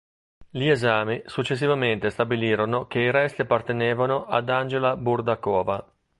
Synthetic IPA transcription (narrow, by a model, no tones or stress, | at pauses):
liezaːmisut͡ʃːes̬ːivament̪est̪abiliːɾonok̟eiɾɛst̪iapːart̪eneːvanoʔad̪and͡ʒelaburd̪akɔːva